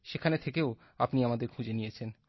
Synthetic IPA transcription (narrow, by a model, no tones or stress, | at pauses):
ʃekʰanet̪ʰekeo | apniamad̪eɾkʰũd͡ʑenijet͡ɕʰen